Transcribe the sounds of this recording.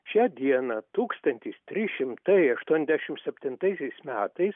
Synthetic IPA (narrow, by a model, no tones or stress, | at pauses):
ʃʲæːd̪ʲiɛnɐt̪uːkst̪ɐnʲt̪ʲiːst̪ʲɾʲɪʃʲɪmt̪ɐɪɐʃt̪uɔnʲɛzʲdʲæʃʲɪmsʲɛpʲt̪ʲɪnt̪ɐɪsʲɛɪsmʲæːt̪ɐɪs